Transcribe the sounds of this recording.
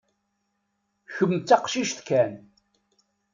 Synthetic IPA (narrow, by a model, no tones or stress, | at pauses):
çəmːt͡sːaqʃiʃθkæn